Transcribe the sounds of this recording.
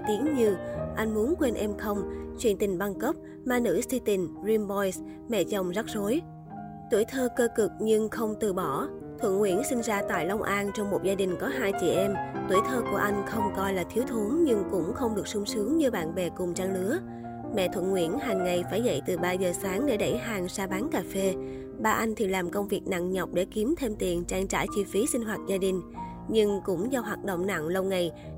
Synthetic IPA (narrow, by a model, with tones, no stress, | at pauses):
t̪i˨˦əŋɲɨ˧ʔa˧jŋ̟mu˨˦ənkwe˧nʔɛ˧mxə˧wŋ͡mt͡ɕwi˧˩ənt̪ï˨˩ŋ̟ɓa˧nkə˦˥p̚ | maː˧˩nɨ̰˧˥st̪i˧t̪ï˨˩ŋ̟zi˧mbɔ˧js | mɛ̰˧˨t͡ɕə˨˩wŋ͡mzə˦˥t̚zo˨˦j | t̪u˧˩əjt̪ʰəː˧kəː˧kɨ˨˩k̚ɲɨ˧ŋxə˧wŋ͡mt̪ɨ˨˩ɓɔ˧˩ | t̪ʰwə̰˧˨nŋwḭ˧˩ənsï˧ŋ̟zaː˧t̪a̰ː˧˨jla˧wŋ͡mʔaː˧nt͡ɕɔ˧wŋ͡mmo˨˩t̚zaː˧ɗï˨˩ŋ̟kɔ˨˦ɦaː˧jt͡ɕḭ˧˩ʔɛ˧mt̪wi˧˩əjt̪ʰəː˧ku˧˩əʔa˧jŋ̟xə˧wŋ͡mkɔ˧jlaː˨˩t̪ʰi˨˦wt̪ʰu˨˦ŋɲɨ˧ŋkʊ̰˧˥ŋ͡mxə˧wŋ͡mɗɨ˨˩ək̚sʊ˨˧ŋ͡msɨ˨˦əŋɲɨ˧ɓa̰ː˧˨nɓɛ˨˩kʊ˨˩ŋ͡mt͡ɕaː˧ŋlɨ˨˦ə | mɛ̰˧˨t̪ʰwə̰˧˨nŋwḭ˧˩ənɦa˨˩ŋŋa˨˩jfaː˧˩jzə̰˧˨jt̪ɨ˨˩ɓaː˧zəː˨˩saː˨˦ŋɗe˧˩ɗə˧˩jɦaː˨˩ŋsaː˧ɓaː˨˦nkaː˨˩fe˧ | ɓaː˧ʔa˧jŋ̟t̪ʰi˨˩laː˨˩mkə˧wŋ͡mvi˨˩ək̚na̰˧˨ŋɲɔ˨˩wk͡p̚ɗe˧˩ki˨˦mt̪ʰe˧mt̪i˨˩ənt͡ɕaː˧ŋt͡ɕa̰ː˧˩jt͡ɕi˧fi˨˦sï˧ŋ̟ɦwaː˨˩t̚zaː˧ɗï˨˩ŋ̟ | ɲɨ˧ŋkʊ̰˧˥ŋ͡mzɔ˧ɦwaː˨˩t̚ɗo̰˧˨wŋ͡mna̰˧˨ŋlə˧wŋa˨˩j